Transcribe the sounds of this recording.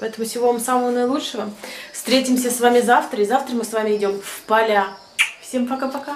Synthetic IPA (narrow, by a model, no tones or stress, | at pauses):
pɐɛt̪əmʊfsʲɪvo̞vamsaməvənəjɪlˠutʂəvəfst̪ɾʲetʲɪmsʲəsvamʲɪzaft̪ɾəɪzaft̪ɾəmɨsvamʲɪɪdʲo̞mfpɐlʲa | fsʲempɐkapɐka